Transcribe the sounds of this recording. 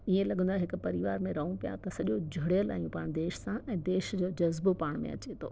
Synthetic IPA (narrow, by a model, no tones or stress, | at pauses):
iẽlɐɠə̃nd̪aɦɪkʊ̆pɐɾiʋaːɾmẽɾɐɦũpija̰t̪ɐsɐʄod͡ʑʱɐɽjəla̰ːijũpaːɽ̃ñd̪eːʃsãɛ̃ːd̪eːʃd͡ʑoːd͡ʑɐzbopaːɽ̃mḛ̃ɐ̰t͡ɕet̪ʰo̰ː